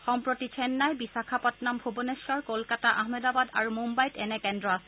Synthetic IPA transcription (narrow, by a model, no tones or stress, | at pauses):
xɔmpɹotit͡ʃʰɛnːajbisakʰapɔtnambʱubonesɔɹkolkataʔaɦmɛdabada̰ɹumumbajtɛnɛkɛndɹɔasɛ̥